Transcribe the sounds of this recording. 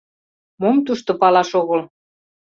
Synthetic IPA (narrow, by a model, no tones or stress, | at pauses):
momt̪uʃt̪opɑlɑʃoɣɤl